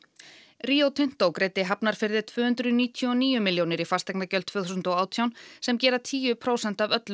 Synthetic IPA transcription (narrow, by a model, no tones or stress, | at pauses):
riːowt̪ʰʏn̥t̪oːwkɾeːjt̪ɪɦapnaɾ̥fɪɾðɪ̥t̪ʰvʏːhʏnt̪ɾʏniːt̪ʰjɔɔniːjʏmɪljownɪɾifast̪ɛknacœlt̪ʰv̥ɛːθusnt̪ɔwaːwt̪ʰjawnsɛmcɛːɾat̪ʰiːjʏpʰɾoːwsɛnt̪avœt̪lʏ